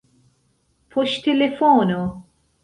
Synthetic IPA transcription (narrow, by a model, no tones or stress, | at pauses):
pʰɔʃt̪ɛlɛfɔːno